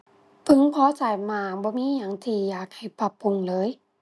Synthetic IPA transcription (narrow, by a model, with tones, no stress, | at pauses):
pʰɯ˧˨ŋpʰɔː˧˦t͡ɕa˨˩jmaː˧˩bɔː˧˦miː˧˥˨ɲa˨˩ŋt̪ʰiː˧˩jaː˨˩k̚ha˧˩jpa˧pːu˧˨ŋlɤː˧˥˨j